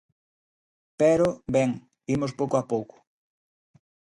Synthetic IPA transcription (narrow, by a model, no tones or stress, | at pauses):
pɛɾobɛŋ | imospowkoapowkʊ̥